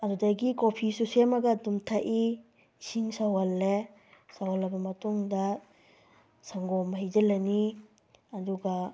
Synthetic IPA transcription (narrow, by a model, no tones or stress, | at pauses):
ɐdudajɡikopʰisusemɐɡɐdumtʰaʔi | siŋsawɐlːe | sawɐlɐbɐmɐtuŋdɐ | saŋɡɔmɦajd͡ʒɐlɐni | ɐduɡa